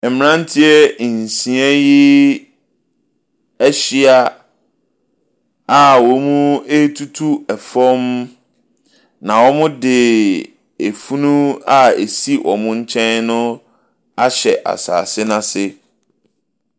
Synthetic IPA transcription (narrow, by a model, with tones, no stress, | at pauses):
ɛ˨m̃˨nã˦n˦tʰi˦ɛ˦˨n̩˨sĩ˨˦a˦jɪ˦ | æ˦ɕi˦a˦ | a˨wɔ˨˦mũ˦e˦tʰu˦tʰu˦ɛ˨fɔ˦m | nã˨wɔ˦mʊ̃˦dɪ˨ | e˨fu˦nũ˦a˦e˨si˦wʔɔ˨mʊ̃˦ɲ̩˦t͡ɕʰɛ̃˦nnʊ̃˦ | a˦ɕɛ˨ʔa̰˨sa̰ː˨sɪ˦nã˨sɪ˦